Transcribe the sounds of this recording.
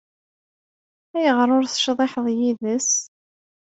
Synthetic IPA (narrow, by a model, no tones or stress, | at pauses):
æjəʁɾˤʊɾθʃðˤeħəðˤjiðəs